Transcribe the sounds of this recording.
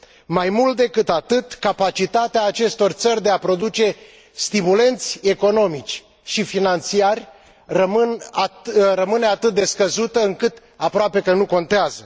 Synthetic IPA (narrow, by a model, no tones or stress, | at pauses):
majmult̪̚d̪e̞kɨt̪at̪ɨt̪kapat͡ʃit̪at̪eaːt͡ʃe̞st̪o̞rt̪sərʲd̪e̞apɾo̞d̪ut͡ʃe̞ | st̪imule̞nt̪sʲe̞ko̞no̞mit͡ʃʲ | ʃifinant̪t͡ʃ̪iarʲ | rəmɨnarəmɨne̞at̪ɨt̪̚d̪e̞skəzut̪əɨŋkɨt̪ | apɾoape̞kənuko̞nt̪eazə